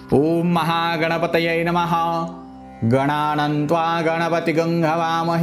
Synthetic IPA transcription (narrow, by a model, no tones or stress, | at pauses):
oːmːɐɦaːɡɐɳɐpɐt̪ɐjɐjnɐmɐɦɐ | ɡɐɳaːnɐnt̪ʋaːɡɐɳɐpɐt̪iɡɐŋɡʱɐʋaːmɐɦ